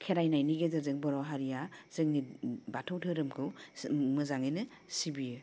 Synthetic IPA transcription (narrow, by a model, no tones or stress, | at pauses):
kʰeɾajnajniɡezɯɾzɯŋbɔɾɔwɦaɾijaz̥ɯŋnibatʰɯwtʰɯɾɯmkʰɯwmɯzaŋɯjnɯ | sibijɯ